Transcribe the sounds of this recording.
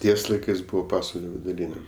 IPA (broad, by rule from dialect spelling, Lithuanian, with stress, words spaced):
ˈtʲiɛs lˠɐɪˈkɜs ˈbʊʋoː ˈpɑːsʋɐlʲoː ʋʲɪdʊˈrʲiːnʲɛ